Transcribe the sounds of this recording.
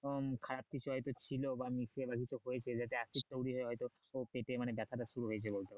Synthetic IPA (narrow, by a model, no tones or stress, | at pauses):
kʰaɾap̚kit͡ɕʰuɦɔjt̪ot͡ɕʰilobamisebakit͡ɕʰuɦojet͡ɕʰed͡ʑat̪eaʃit̪̚t̪owɽiɦoeɦɔjt̪oopeʈemanebɛt̪ʰaʈaʃuɾuɦojet͡ɕʰebolt̪ea